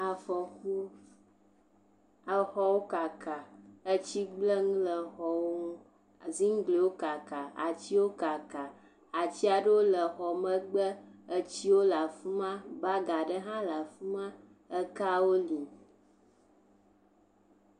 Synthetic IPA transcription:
a˨fɔ˨xu˦ | ə˨xɔ˨wo˦ka˨ka˨ə˦t͡ɕi˦ɡ͡blə˦ŋũ˦lə˨xɔ˨wo˦ũ˦ | zi˦ŋ˦ɡ͡ble˨wo˦ka˨ka˨a̰˨t͡ɕi˦wo˦ka˨ka˨ | a˨t͡ɕi˦a˨ɖə˦wo˦lə˨xɔ˨mə˦ɡ͡bə˦ə˨t͡ɕi˦wo˦la˨fu˦mã˦ba˦ɡa˨ɖə˦ɦã˦la˨fu˦mã˦ | ə˦ka˦wo˦li˨

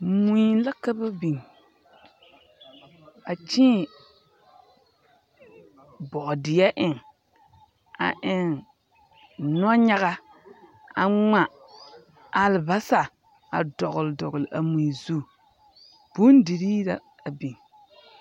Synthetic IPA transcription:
mu˨i˨la˦ka˦ba˦bi˨ŋ | a˨t͡ʃĩː˦˨ | bɔ˨ʔdɪ˨ja˦ʔɪ˨ŋ | a̰˨ʔɪ˨ŋ | nɔ˦ɲa˦ɣa˦ | a˨ŋ͡ma˨ | a˨lba˦sa˨ | a̰˨dɔ˨ɣʊ˨ldɔ˨ɡlɪ˨ʔa˨mũ˨zu˦ | b̥u˦n˦di˨ɾi˦la˨ | a˨bi˨ŋ

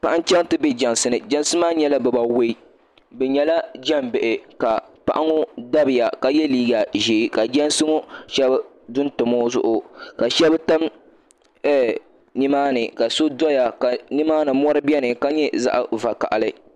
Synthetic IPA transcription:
pa˦˨ʔa˦n˦t͡ʃɛ˦ŋ˦tɨ˦bɛ˦d͡ʒɛ˨nsɨ˦nɨ˨d͡ʒɛ˦nsɨ˦maː˦ɲɛ˦la˦bɛ˨ba˨we˦i˦ | bɛ˨ɲɛ˨la˦d͡ʒɛ˦mbɛ˨ʔɪ˨ka˨pa̰˨ʔa˦ŋʊ˦da˦bɪ˨ja˨ka˨jɛ˦liː˦˨ɡa˨ʒe˨˦ka˨d͡ʒɛ˦nsɨ˦ŋo˦ʃɛ˦b | dʊ˦ntɨ˨mo˦zʊ̰˦ʔʊ˨ka˨ʃɛ˦bta˦m | ɛ˦˨ | ni˦maː˦nɨ˨ka˨so˦dɔ˦ja˨ka˨ni˦maː˦nɨ˨mɔ˦ɾɨ˦bi˦ɛ˦nɨ˨ka˦ɲɛ˦za̰˦ʔa̰˨va˨ka̰˨ʔa̰˨lɨ˦

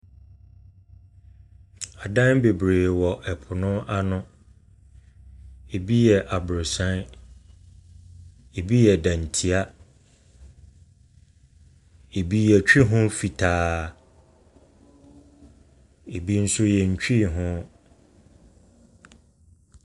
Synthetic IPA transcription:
a˨dã˦nbe˨bɾeː˨wɔ˨ʔɛ˨pʰʊ˨nʊ̃˦a˦nʊ̃˦ | e˨bi˦jɛ˨ʔa˨bʊ˨ɾʊ˨sã˦n | e˨bi˦jɛ˨dã˨n˨tʰi˨˦a˦ | e˨bi˦jɛ˨t͡ɕᶣi˦ɦʊ̃˦fi˨tʰaː˨˦ | e˨bi˦n̩˦sʊ˦jɛ˨ɲ̩˨t͡ɕᶣi˦˨ɦʊ̃˦

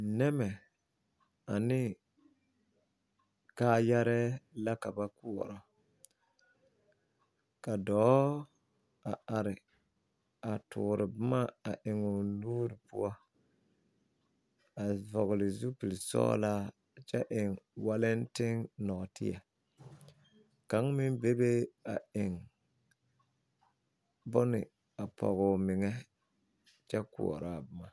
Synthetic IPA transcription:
nɛ˦mɛ˨ | a˨nɪ˦ | kaː˦ja˦ɾɛː˦la˦ka˨ba˦ku˦ɔ˨ɾɔ˨ | ka˨dɔː˨˦ | a˨a˨ɾɪ˨ | a˨tʰʊ̰ː˨ɾɪ˨bʊ˦ma˦a˨ʔɪ˨ŋɔ˨nuː˦ɾɪ˨pʊ˦ɔ˦ | a˨vɔ˨ɣlɪ˨zu˦pi˨lsɔ̰ː˦laː˦ | t͡ʃɛ˦ʔɪ˨ŋwa˦lɪ˦ntɪ˦ŋnɔ˨tɪ̰˦ja˨ | ka˨˦ŋmɪ˦nbe˦be˦a˨ɪ˨ŋ | bʊ˦nɪ˨ | a˨pʰɔ̰˨ɣʊ˨mɪ˨ŋɛ˦ | t͡ʃɛ˦kʊ̰˨ɔ̰˨ɾaː˦˨bʊ˦ma˨

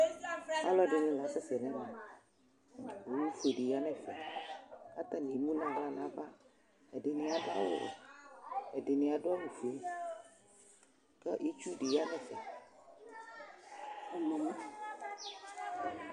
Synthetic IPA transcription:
a̰˦lɔ˦ɖɪ˨nũ˦la˨˦sɛ˦sɛ˨nɛ̃˦nã˨ | bo˨˦nũ˦fo˨ɖi˨ja˦nɛ̃˨fɛ˨ | ka˦t̪a˦nĩ˨mũ˦nã˨la˦nã˨va˦ | ɛ˨ɖɪ˨nɪ̃˨a˨da̰˦w̰ | ɛ˨dɪ˨nɪ̃˨a˨ɖʊ˦a˦nũ˨fe˨˦ | kɛ˦ʔi˦t͡ʃu˦ɖi˨ja˦nɛ̃˨fɛ˨ | m˨˦

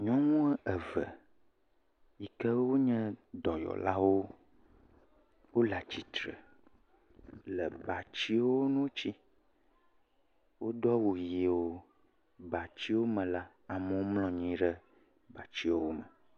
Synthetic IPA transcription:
ɲɔ̃˦ŋũ˦ɛ˦ʔə˨və˨ | ji˨kə˦wo˦ɲɛ̃˦d̪ɔ˨jɔ̰˨la˦wo˦ | wo˦la˨t͡ɕi˨t̪ɾə̰˨ | lə˨ba˨t͡ɕi˦wo˦nũ˦wo˦t͡ɕi˦ | wo˦ɖɔ˦wo˨ji˨wo˦ | ba˨t͡ɕi˦wo˦mə̃˨la˦ | a˨mə˨wo˦mlɔ̃˨ɲĩ˨ɖə˦ | ba˨t͡ɕi˦wo˦wo˦mə̃˨

